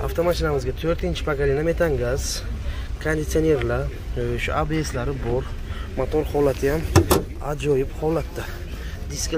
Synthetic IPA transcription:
a̰ft̪ʰomaʃinamɨzɡat̪ʰøɾt̪ʰint͡ʃʰi̥pʰaɡalinamet̪ʰaŋɡaz | kʰand̪it̪sioneɾla | ʃuabeeslaɾibɔɾmat̪ʰɔɾhɔlat̪ʰijam | ad͡ʒɔjibhɔlat̪̚d̪a | d̪isk

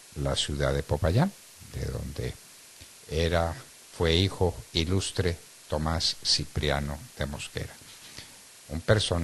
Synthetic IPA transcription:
lasjuðaðe̞popajan | d̪ḛðo̞̰nd̪e̞̰ | eɾa | fwe̞ixo̞ilust̪ɾe̞ | t̪o̞masːipɾjano̞ð̥e̞mo̞ske̞̰ɾa | umpe̞ɾso̞n

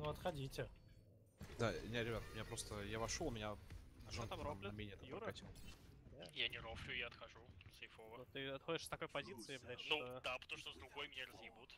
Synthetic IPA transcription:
nuɐt̪xɐdʲitʲɪ | d̪anʲet̪ɾʲɪbʲat̪ʊmʲɪnʲapɾo̞st̪əjavɐʂolˠmɪnʲaʒot̪amɾoamlʲɪmʲenʲɪt̪ajɾɐtʲilˠd̪ajanʲɪɾoflʲʊjaɐt̪xɐʐusɐjfovənot̪ɨɐt̪xodʲɪʂst̪ɐko̞jpɐzʲit̪sɨɪbd̪ɐɾʲnud̪apət̪ɐmʂt̪ozd̪ɾʊɡo̞jmʲɪnʲaɾəzjɪbut̪

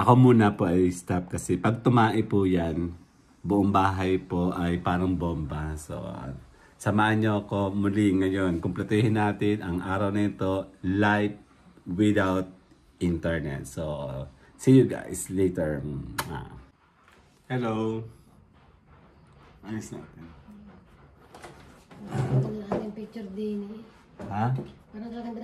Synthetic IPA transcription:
ʔɐko̞muːnɐpoʔɐjst̪ap̚kɐsɛpɐɡ̚t̪ʊmaːʔɪpʊjan | bʊʔoŋbaːɦɐjpoʔɐjpaːɾɐŋbʊʔombaso̰ | sɐmaːʔɐnɲoʔɐko̞mʊlɪŋɐjonkʊmplɛt̪ihɪnːaːt̪ɪnɐŋʔaːɾɐwnɐɪt̪o̞lajp̚ | wɪd̪awt̪̚ | ʔɪnt̪ɛɹnɛ̰t̪̚so | sijʊɡa̰jslejt̪ɛɹa̰ | hɛlow | ajʊsna̰t̪ɛn | at̪ɐnɐɐat̪ɪŋpik̚t͡ʃɛɾd̪ini | hapaɾɐt̪ɐlɐɡɐ

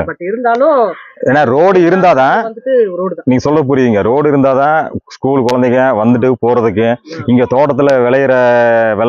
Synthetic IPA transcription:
pɐʈːɪɾɯnd̪aːlõeːnːaːɾoːɽɪɾɯnd̪aːt̪ãːɐd̪ɯʈːɯɾoːɽ̃niːŋɡɐsɔlːɐp̬ʊɾɪʋiːŋɡɐɾoːɽɪɾɯnd̪aːðãːskuːɭkɔɻɐnd̪ɪkːɐ̃ʋɐnd̪ɯʈ̬ːɯpoːɾɐðɯkːɯɪŋɡeːt̪oːʈɐt̪ːɪlɐʋɛɭɐjɪɾɐʋɛ

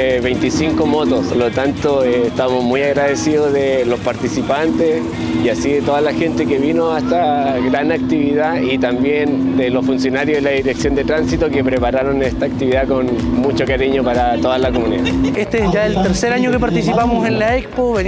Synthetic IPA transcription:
eβejnt̪isiŋkomot̪oslot̪ant̪oeːst̪amozmujaɣɾaðesiðozðelospaɾt̪isipant̪es | iasiðet̪oðalaxent̪ekeβinoaest̪aɣɾanak̚t̪iβiðait̪ambjen | d̪elosfunsjo̞naɾjoðelaðiɾeksjo̞nd̪et̪ɾansit̪okepɾepaɾaɾo̞nest̪aːk̚t̪iβiðakonmut͡ʃokaɾiɲopaɾat̪o̞ðalakomuniðaest̪eesʝaelt̪eɾseɾaɲokepaɾt̪isipamosenlaekspoβe

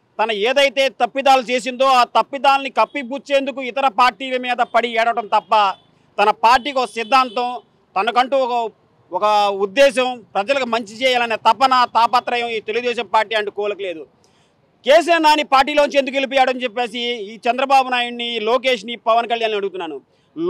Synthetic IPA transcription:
t̪ɐnɐeːd̪ɐjt̪e̞ːt̪ɐpːid̪aːlut͡ʃeːs̬ind̪o̞ːaːt̪ɐpːid̪aːlɐnikɐpːibuːt͡ʃːe̞ːnd̪ukuit̪ɐɾɐpaːɾʈiːlɐmiːd̪ɐpɐɽiɛːɽɐʋɐʈɐmt̪ɐpːɐ | t̪ɐnɐpaːɾʈ̬iːkiɔkɐsid̪ʱːaːnt̪ɐm | t̪ɐnɐkɐɳʈuɔkɐ | ɔkɐud̪ːɛːʃɐmpɾɐd͡ʒɐlɐkumɐɲt͡ʃit͡ʃɛːjaːlɐnet̪ɐpɐnɐt̪aːpɐt̪ɾɐjɐmiːt̪e̞luɡud̪ɛːʃɐmpaːɾʈiːɐɳʈukɔːlɐkɐle̞ːd̪u | keːs̬inɐnaːnipaːɾʈ̬ːiːloːnuɲt͡ʃe̞nd̪uk̬elip̬ɔːjaːɽɐnt͡ʃɛpːe̞ːsiːt͡ʃɛnd̪ɾɐbaːbunaːjuɳniloːk̬e̞ːʃ̬nipɐʋɐnkɐljaːnːɐɽuɡut̪unːaːnu

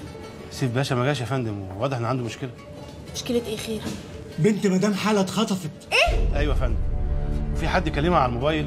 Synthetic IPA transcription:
sifbæːʃæmæɡæːʃæfænd̪emwewɑːd̪ˤeħʔenʕand̪umoʃkelæ | moʃkelæt̪ʔeːxeːɾ | bent̪mæd̪æːmħaːlæt̪xɑt̪ˤɑfet̪eːʔæjwæfænd̪mwefiħad̪ːjekːælːemæʕalælmobæːjel

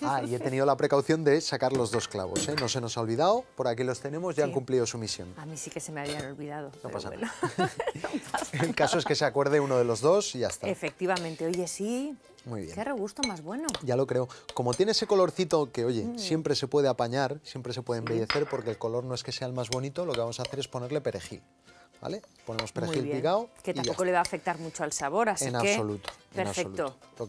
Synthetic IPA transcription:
aie̞t̪e̞niðo̞lapɾe̞kawθjo̞nd̪e̞sakaɾlo̞zðo̞skla̰βo̞̰seno̞se̞no̞sao̞lβiðawopo̞ɾakilo̞st̪e̞nẽ̞mo̞zʝaŋkumpliðo̞sumisjo̞̰namisike̞semeaβianolβiðað̞ono̰pa̰sa̰n̰a̰ | elkasoeske̞seakwe̞ɾðe̞uno̞ðe̞lo̞zðo̞sʝaest̪aefek̚t̪iβamẽnt̪eoʝe̞si | mwujβjḛkereɣ̞ust̪omazβwe̞noʝalo̞kɾe̞oko̞mo̞t̪je̞neeseko̞lo̞ɾθit̪o̞keo̞ʝe̞sje̞mpɾe̞se̞pwe̞ð̞e̞apaɲaɾsje̞mpɾese̞pwe̞ðembe̞ʝe̞θe̞ɾpo̞ɾkelko̞lo̞ɾno̞e̞ske̞se̞aelmazβo̞nit̪o̞lo̞keβamo̞saθeɾe̞spo̞ne̞ɾle̞pe̞ɾe̞xḭl | ba̰le̞po̞ne̞mo̞speɾeilpiɣaoket̪iamokole̞βaːfe̞k̚t̪aɾmut͡ʃoalsaβo̞ɾaseinaβeso̞lut̪o̥penaβsfelut̪ooo

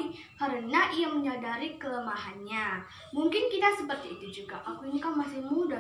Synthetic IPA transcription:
haɾənaijaŋməɲadaɾikələmaɦanɲa | muŋkɪnkit̪asəpərt̪iːt̪ud͡ʒuɡaʔakuɲikaŋmasɪhmuda

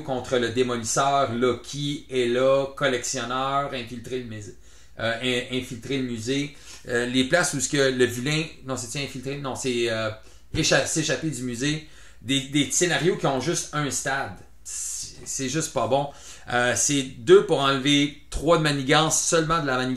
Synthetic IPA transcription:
kɔ̃t̪χələd̪emɔnisœːʁlɔkʲʰielɔkɔlɛksjɔnœːʁɛ̃filt̪ʁeləmz | ɛ̃ɛ̃filt̪ʁeləmyze | leplasusə̥kʲələvylɛ̃nɔ̃set͡s̪ɛɛ̃filt̪ʁenɔ̃sɛøː | ʃaseʃaped͡z̪ymyze | d̪ed̪esenaʁjokʲiɔ̃ʒʏst̪œ̃st̪ad̪ | ssɛʒʏst̪̚pabɔ̃ | øsɛd̪øpuʁɑ̃lvet̪χʁwad̪maniɡɑ̃sːœlmɑ̃d̪əlamani

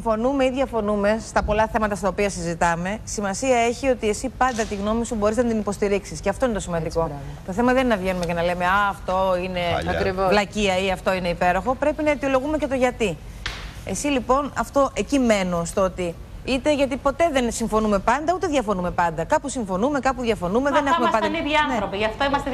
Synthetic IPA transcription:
ifo̞numeiðʝɐfo̞nume̞st̪ɐpo̞lɐθe̞mɐt̪ɐst̪ɐopiɐsizit̪ɐme̞simɐsiɐe̞çio̞t̪ie̞sipɐnd̪ɐt̪iɣno̞misubo̞ɾiznɐt̪inipo̞st̪iɾiksisceɐft̪oinet̪o̞simɐnd̪iko̞ | t̪o̞θe̞mɐðeninɐvʝe̞nume̞cenɐle̞me̞ɐːft̪o̞ine̞ɐvlɐciɐiɐft̪o̞ine̞ipe̞ɾo̞xo̞pɾe̞pinɐet̪io̞lo̞ɣume̞ce̞t̪o̞ʝɐt̪i | e̞silipo̞nɐft̪o̞ʔe̞cime̞no̞st̪oot̪i | it̪e̞ʝɐt̪ipo̞t̪e̞ðe̞nsiɱfo̞nume̞pɐnd̪ɐut̪eðʝɐfo̞nume̞pɐnd̪ɐkɐpusiɱfo̞nume̞kɐpuðʝɐfo̞numeðeneumeɐd̪ɐniviɐneɾopiʝɐft̪oimɐst̪e

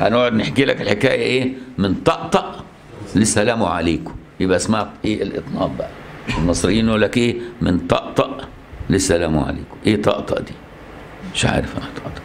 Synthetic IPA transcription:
ʔænawɑɾˤɑd̪nɪħkiːlakɪlħɪkæːjæʔeːmɪnt̪ˤɑʔt̪ˤɑʔ | lɪsælæːmʊʕa̰leːkʊ̥ | jɪbʔæsmaʕkʔeːʔɪlʔɨ̰t̪ˤnɑːʔbaʔælmɨsˤɾɪjːiːnːʔuːlːækʔeːmɪnt̪ˤɑʔt̪ˤɑʔ | lɪsælæːmʊ̰ʕa̰lḛːkʊ̥ʔeːt̪ˤɑ̰ʔt̪ˤɑ̰ʔd̪iː | mɪʃʕa̰ːɾɪfʔat̪ˤɑʔt̪ˤɑ̥ʔ

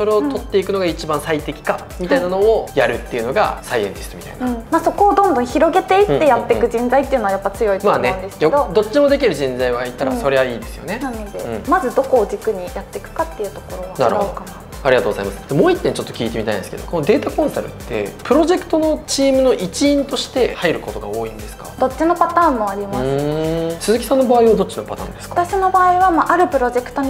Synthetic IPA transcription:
so̞ɾe̞ot̪o̞t̪ːe̞ikɯ̟no̞ɡait͡ɕibãɰ̃sait̪e̞kʲi̥ka | mʲit̪ainano̞ːjaɾɯ̟t̪ːe̞iɯ̟no̞ɡa̰sajẽ̞̰nd̪esɨ̥ɾɯmʲit̪a̰inaɯ̃maːso̞ko̞ːd̪õ̞nd̪õɰ̃çiɾo̞ɡe̞t̪eit̪ːejat̪ːekɯ̟d͡ʑĩnd͡zait̪ːe̞iɯ̟noajapːat͡sɨjo̞imaːnẽ̞nd̪esɨ̥kjod̪od̪o̞t͡ɕːimo̞d̪e̞kʲiɾɯ̟ʑĩnd͡zaiβait̪aɾaso̞ɾe̞βaiːd̪e̞sɨjo̞̰ne̞nanod̪ḛ̃mazɨd̪o̞ko̞ːd͡ʑikɯ̟ɲ̟ijat̪ːe̞kɯ̟̥kat̪ːe̞jɯ̟t̪o̞ko̞ɾoβana̰ɾ̰hokana | aɾʲiɡat̪oːɡozaimasɨ̥d̪emoːit̪ːeɲt͡ɕo̞t̪ːo̞kʲiːt̪e̞mit̪aḭ̃nesɨ̥ke̞d̪o̞̰ko̞nod̪e̞ːt̪akõ̞ɰ̃saɾɯ̟̰t̪ːe̞̰pɯ̟ɾo̞ʑe̞kɯ̟̥t̪o̞no̞t͡ɕiːmɯ̟no̞ʔit͡ɕĩːnt̪o̞ɕi̥t̪e̞haiɾɯ̟ko̞t̪o̞ɡa̰oːĩnd̪e̞sɨ̥kḁ̰d̪o̞t͡ɕːino̞pat̪aːmːo̞aɾʲimã | sɨzɨkʲi̥sãnːobaːiβad̪o̞t͡ɕino̞pat̪ã̰nd̪e̞skat̪aɕino̞baːiβamaʔaɾɯ̟pɯ̟ɾo̞ʑe̞kɯ̥t̪o̞ɲ

